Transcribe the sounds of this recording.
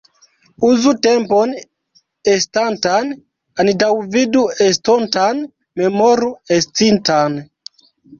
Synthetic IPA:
uzutempon | estantan | anidawviduestontan | memoɾuest͡sintan

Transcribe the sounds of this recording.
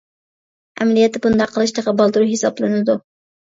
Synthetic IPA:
ɛ̰mɛlijɛt̪ʰːɪbund̪ɑqʰːəlˠɨʃt̪ʰəʁɑbɑlˠd̪ɨɾuɦesɑblˠɨnɨd̪u

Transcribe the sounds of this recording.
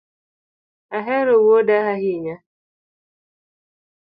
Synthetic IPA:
aɦɛɾowodaɦaɦiɲa

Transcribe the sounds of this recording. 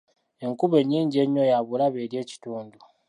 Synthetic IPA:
e̞ŋkuβe̞ɲːiːɲɟieɲːojaβulaβeɾje̞ːci̥tuːndu

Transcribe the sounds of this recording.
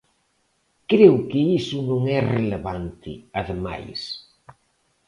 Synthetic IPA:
kɾewkɪisʊnõŋɛreleβant̪ɪ̰aðema̰js

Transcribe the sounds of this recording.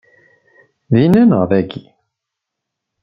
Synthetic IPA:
ðinænəʁðæɡi

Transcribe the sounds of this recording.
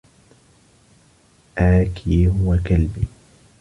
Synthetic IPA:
ʔaːkʰiɦʊwakalbiː

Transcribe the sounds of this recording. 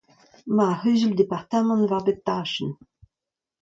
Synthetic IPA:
mahœzəld̪epaʁt̪amɑ̃nvabet̪ːaʃən

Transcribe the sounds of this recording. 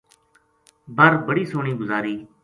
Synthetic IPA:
bʱəɾbəɽiːsoːɳiːɡʊzaːɾiː

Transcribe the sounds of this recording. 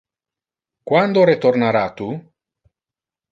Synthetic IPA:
kwand̪oɾet̪oɾnaɾat̪u

